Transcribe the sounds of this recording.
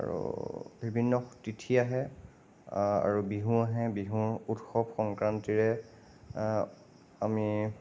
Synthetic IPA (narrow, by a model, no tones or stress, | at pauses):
a̰ɹṵbʱibʱinːɔtitʰiaɦɛ | a̰ɹubiɦũaɦɛbiɦũɹutxɔb̚xɔŋkɹantiɹɛ | ami